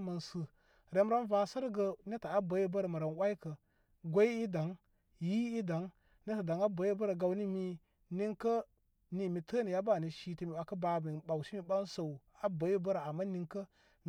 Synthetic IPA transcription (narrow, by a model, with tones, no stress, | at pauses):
mə˨nsɨ˨ | ɾe˨˦m˦ɾa˦nva˨sə˦ɾɡə˨ne˦ta˨a˦bə˨˦ji˦bə˦ɾa˨ma˨ɾa˨nwa˦i˦kə˨ | ɡʷo˦i˦i˦da˨ŋ | ji˦i˦da˨ŋ | ne˦ta˨da˨ŋa˦bə˨ji˦bə˦ɾa˨ɡa˨wni˦mi˦ | ni˦ŋkə˦ | ni˨mi˨tʰə˦ni˨ja˦ba˦˨ni˨ʃi˦ti˦mi˨a˨kə˦ba˨mi˨ɓa˨wʃi˦mi˨ba˦nsə˨w | a˦bə˨˦ji˦bə˦ɾa˨a˨mːa˦ni˦ŋkə˦